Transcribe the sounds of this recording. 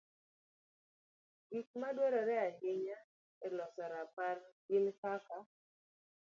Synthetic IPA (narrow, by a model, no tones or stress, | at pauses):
ɡik̚madwɔɾɔɾɛaɦɪɲa | ɛlɔsɔɾaparɡɪnpaka